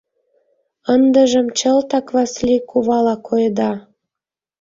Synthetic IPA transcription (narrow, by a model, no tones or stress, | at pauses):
ənd̪ə̆ʒə̆mt͡ɕəlt̪ɑkβɑslʲikʰuβɑlɑkʰojd̪ɑ